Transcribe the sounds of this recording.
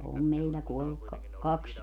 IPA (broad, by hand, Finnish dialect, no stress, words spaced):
om meilːæ kuolːuk kɑ kɑks